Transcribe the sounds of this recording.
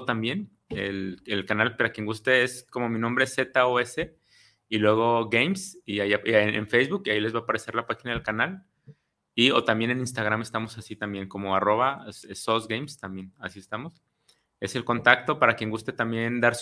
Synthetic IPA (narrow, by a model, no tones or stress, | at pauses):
t̪ambje̞n | ḛlelkanalpaɾakje̞ŋɡust̪e̞esko̞mo̞mĩnõmbɾe̞esːe̞t̪aoese̞ | ilwe̞ɣ̞o̞ɣejmsiaiaḛnfejzβukiaile̞zβaːpaɾe̞se̞ɾlapaxinað̞e̞lkanal | io̞̰t̪ambje̞ne̞nĩns̬t̪aɣ̞ɾame̞st̪amo̞sasit̪ambje̞ŋko̞mo̞aro̞βaesosɡejmst̪ambje̞nasie̞st̪amo̞s | e̞se̞lko̞nt̪ak̚t̪o̞paɾakje̞ŋɡust̪e̞t̪ambje̞nd̪aɾs